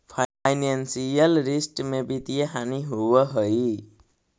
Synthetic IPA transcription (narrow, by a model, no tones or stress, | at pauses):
pʰajnansijʌlrisʈmebit̪ijeɦaniɦuwʌɦʌj